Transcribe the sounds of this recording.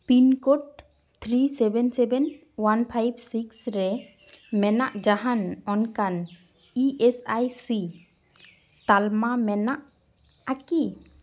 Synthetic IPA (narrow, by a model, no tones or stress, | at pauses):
pinkɔʈ̚ | t̪ʰɾisɛbɛnsɛbɛn | wanpʰajbsiksɾɛ | mɛnaʔd͡ʒaɦanɔnkan | iʔesajsi | t̪almamɛnaʔ | aki